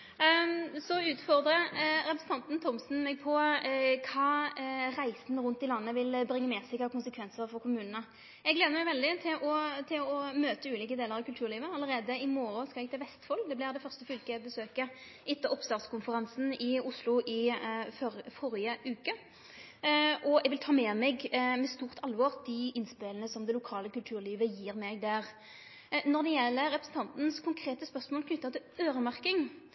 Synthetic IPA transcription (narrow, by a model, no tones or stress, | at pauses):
sɔʉːt̪fɔʁd̪ʁəɾɛpɾɛsən̩t̪ɑnt̪n̩t̪ʰɔmsn̩mɛɡ̚pʰɔkʰɑːʁæɪsn̩ʁʉnt̪ɪlɑnːəʋɪlbʁɪŋːəmɛːsæɪkʰɑːkʰʊnsəkʰʋɛnsəɾfɔʁkʰʊmʉːnənə | ɛɡleːd̪əmæɪʋɛld̪ɪt̪ʰɪlʔɔt̪ʰɪlɔmøːt̪əʉːliːkəd̪eːləʁɑʋkʉlt̪ʰʉːʁliːʋəɑlːəɾeːd̪əɪmoːɾʊskɑlɛɡ̚t̪ʰɛʋɛst̪fɔlːd̪ɛblɪd̪ɛfœʁst̪əfʏlkəɛbəsøːkə | ɪt̪ːəɔpst̪ɑːd̪skʰʊnfəʁɑnsn̩ɪʊslʊʔɪfɔfɔɾɪəʔʉːkə | ʔɔɛɡʋɪlt̪ʰɑːmɛmɛɡmɛst̪uːʁt̪ʰɑlʋɔʁd̪ɪʔɪnspelənəsɔmd̪ɛlʊkʰɑːləkʉlt̪ʰʉːʁliːʋəjiːʁmɛɡd̪æʁ | nɔʁd̪ɛjɛlːəʁɛpɾəsn̩t̪ɑnt̪n̩skʰʊŋkʰʁeːt̪əspœʁsmoːlkʰnʏt̪ːɑt̪ɪløːʁəmæʁkɪŋ